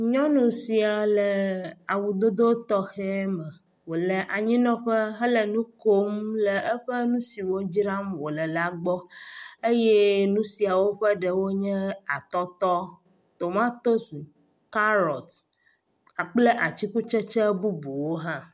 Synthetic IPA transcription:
ɲɔ̃˦nũ˨si˨a˨lə˨a˨wu˨d̪o˦d̪o˦t̪ɔ˦xɛ˦mə˨ | wo˨lə˨ʔa˨ɲĩ˦nɔ̃˦ɸə˦ɦə˦lə˨nũ˦ko˦mlə˨ʔə˦ɸə˦nũ˦si˨wo˦d͡ʑi˦ɾa˦mwo˨lə˨la˦ɡ͡bɔ˦e˦je˦nũ˦si˨a˨wo˦ɸə˦ɖə˨wo˦ɲɛ̃˦a˨t̪ɔ˦t̪ɔ˦ | t̪o˨mã˦t̪o˦si˨ | ka˦ɾɔ˨t̪ | a˨k͡plə˦ʔa˨t͡ɕi˦ku˦t͡ʃə˦t͡ʃɛ˦bu˦bu˨wo˦ɦã˦

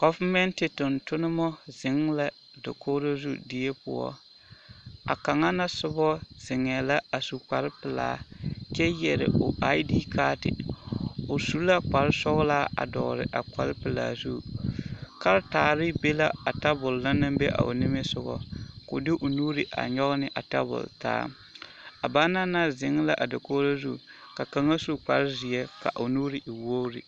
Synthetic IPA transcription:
ɡ̥ɔ˨va˦mɛ˦ntɪ˨tʊ˨ntʊ˦nɪ˦mɔ˦zɪ˨˦ŋla˦ | do˨kʰoː˦ɾo˦zṵ˦dɪ˦je˦pʊ̰˦ɔ̰˦ | a̰˨ka˨ŋa˦na˦sʊ˦bɔ˦z̥ɪ˨ŋɛ˨la˦a˨su˨k͡pa˨ɾɪ˦pɪ˨la̰ː˨˦kɛ˦jɛ˨ɾɪ̰˨ʊ˨a˦ɪ˦diː˦kʰaː˦tɪ̰˨ | ʊ˨su˨˦la˦k͡pa˨ɾɪ˦sɔ˦ɣlaː˦a̰˨dɔ̰ː˨ɾɪ̰˨ʔa̰˨k͡pa˨ɾɪ˦pɪ˨la̰ː˨zu˦˨ | ka˦ɾtaː˨ɾɪ˦be˦la˦a˨ta˦bʊ˨lna˦nɨ˦mbe˦ʔa̰˨ʔo̰˨nɪ˦mɪ˦sʊ˨ɡɔ̰˦ko˨dɪ˦ʔo˨nuː˦ɾɪ˨ʔa̰˨ɲɔ˦ɣnɪ˦ʔa˨ta˦bʊ̰˨lta̰ː˦ | a˨ba˦na˦na˦zɪ˨ŋ˦la˦ʔa˨da˨ko˦la˦zu˦˨ka˨ka˨ŋa˦su˦k͡pa˨ɾɪ˦zi˨ɛ˦ka̰˨ʔo˨nuː˦ɾɪ˨ʔi˨wo˦ɾḭ˨

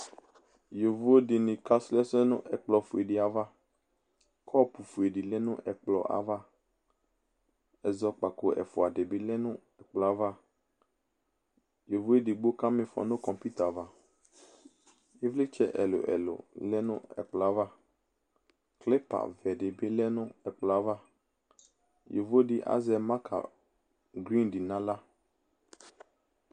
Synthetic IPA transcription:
jo˨vu˦e˦dɪ˨nɪ̃˨ka˦slɛ˦sɛ˦nʊ̰̃˦ʔɛ˨k͡plɔ˨fu˨e˨dɪ˨a˨va˦ | kʰɔ˦pu˨fu˨e˨ɖi˨lɛ˦nʊ̃˦ʔɛ˨k͡plɔ̰˨ʔa̰˨va˦ | ɛ˨zɔ˦k͡pa˨ko˦ɛ̰˨fʊ˨a˨de˨be˦lɛ˦nʊ̃˦ | ɛ˨k͡plɔ˨a˦va˦ | jo˨vu˦e˦dɪ˨ɡ͡bo˦ka˦mɪ̃˨fɔ̰˨nʊ̃˦kɔ̃˨mpi˦t̪a˨va˦ | je˦vlɪ˦t͡ʃɛ̰˦ʔɛ̰˨lʊ̰˨ʔɛ̰˨lʊ̰˨lɛ˦nʊ̰̃˦ɛ̰˨k͡pla˨˦va˦ | klɛ˦pa̰˨vɛ˨dɪ˨bɪ˦lɛ˦nʊ̃˦ɛ˨k͡pla˨˦va˦ | je˨vo˦dɪ˦ʔa̰˦zɛ˨ma˦kʰa̰˨ | ɡɾĩ˦ndi˨nã˦la˦

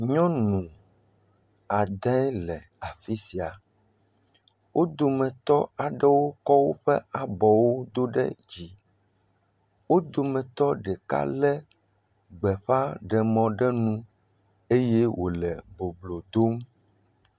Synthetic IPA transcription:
ɲɔ̃˦nũ˨ | a˨d̪ã˦ɛ˦lɛ˨ | a˨fi˦si˨a˨ | wʔo˦d̪o˨mɛ̃˨t̪ɔ˦a˨ɖɛ˦wo˦kɔ˦wo˦ɸɛ˦ʔa˨bɔ˨wo˦d̪o˦ɖɛ̰˦d͡ʑi˨ | wo˦d̪o˨mɛ̃˨t̪ɔ˦ɖɛ˨ka̰˦lɛ˦ | ɡ͡bɛ˨ɸa˦ɖɛ˨mɔ̃˨ɖɛ˦nũ˦ | e˦je˦wʔo˨lɛ˨bo˨blo˨d̪o˦m

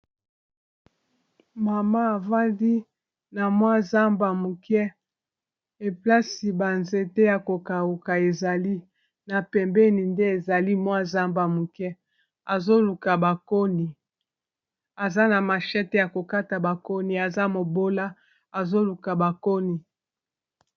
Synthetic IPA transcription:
ma˨ma˦a˨va˦ndi˦ | na˨mwa˦za˦mba˨mu˨kɛ˦ | e˨pla˦si˨ba˨nze˨tɛ˦ja˨ko˨ka˨u˨ka˨e˨za˨li˦ | na˨pɛ˨mbɛ˦ni˨nde˦e˨za˨li˦mwa˦za˦mba˨mu˨kɛ˦ | a˨zo˦lu˨ka˨ba˨ko˦ni˨ | a˨za˦na˨ma˨ʃɛ˦tɛ˦ja˨ko˨ka˦ta˨ba˨ko˦ni˨a˨za˦mo˨bo˦la˦ | a˨zo˦lu˨ka˨ba˨ko˦ni˨

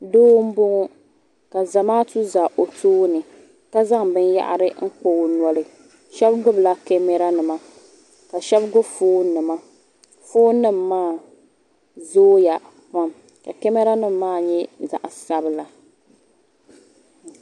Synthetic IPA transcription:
doː˦m̩˦bʊ˦ŋʊ˦ | ka˨za˨maː˦tu˦za˨ʔo˨toː˦nɨ˨ | ka˦za˦ŋbɨ˦nja̰˦ʔa̰˦ɾɨ˦ŋ̩˦k͡po˨nwɔ˦lɨ˨ | ʃɛ˦bɡʊ˦bla˦kɛ˦mɛ˦ɾa˦nɨ˨ma˨ | ka˨ʃɛ˦bɡʊ˦bfoː˦nɨ˨ma˦ | foː˦nɨ˦mːaː˦˨ | zoː˦ja˨ | pa˦m | ka˨kɛ˦mɛ˦ɾa˦nɨ˦mːaː˦˨ɲɛ˦za̰˨ʔsa˦bɨ˨la˨

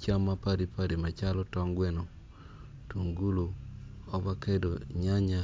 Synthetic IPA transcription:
t͡ʃa˦mːa˦pa˦ɾi˨pa˦ɾi˨ma˨t͡ʃa˦lɔ˦tɔ˦ŋɡwe˦no˨ | tu˨ŋɡu˦lo˨ɔ˦ba˦ke˦do˨ɲa˦ɲa˦

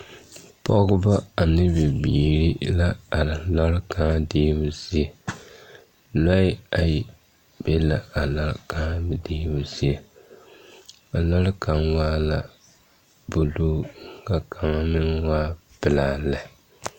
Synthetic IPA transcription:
pɔ˦ɡʊ˦ba˦a˨nɨ˦bɪ˨biː˨ɾi˦la˦a˨la˦ɾka˦diː˦bʊ˦sɪ˦a˨ | la˦ɪ˦a˨ji˨ | b̥e˦la˨a˨la˦ɾkaː˦bdiː˦bu˦si˦a˨ | a˨la˦lkʰa˨mwaː˦la˨ | bʊ˨duː˦ŋ˦˨ka˨kʰa˨ma˦mɪ˦n˦waː˦pɨ˨laː˨la˨

